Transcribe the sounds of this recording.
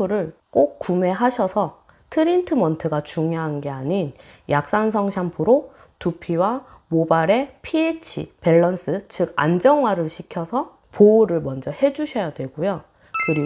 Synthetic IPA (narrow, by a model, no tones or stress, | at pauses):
uɾɯɭk͈ok̚k͈ume̞ɦaɕʰʌsʰʌ | tʰɯɾintʰɯmʌntʰɯɡat͡ɕuŋjoɦanɡe̞aɲinjak̚s͈ansʰʌŋɕʰampʰɯɾo | tupʰiwa | mobaɾe̞pʰiet͡ɕʰḭpe̞ɭːʌns͈ɯt͡ɕɯɡa̰nd͡ʑʌŋɦwaɾɯɭɕʰikʰjʌsʰʌ | pouɾɯɭmʌnd͡ʑʌhe̞d͡ʑuɕʰʌjadwe̞ɡojo | kɯɾi